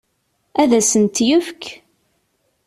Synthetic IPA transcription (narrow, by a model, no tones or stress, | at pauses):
æðæsənt̪jʊfkʰ